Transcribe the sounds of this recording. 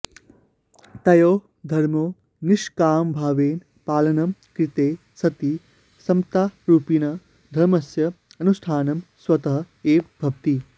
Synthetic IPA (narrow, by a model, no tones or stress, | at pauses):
t̪ɐjoː | d̪ʱɐɾmoː | niʃkaːmbʱaːʋeːn | paːlɐnɐmkɾit̪eː | sɐt̪i | sɐmt̪aːɾuːpinɐ | d̪ʱɐɾmɐsjɐɐnusʈʰaːnɐmswɐt̪ɐɦɐ | eːpbʱɐpt̪i